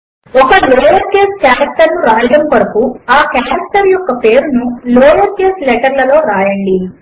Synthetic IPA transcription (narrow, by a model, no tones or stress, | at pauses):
ɔkɐlɔːjɐɾkeːskaːɾɐk̚ʈɐɾnuɾaːjɐɽɐmpɐɾɐpuaːkaːɾɐkʈɐɾjɔkːɐpe̞ːɾunulɔːjɐɾkeːslɛʈɐɾlɐlo̞ːɾaːjɐɳɖi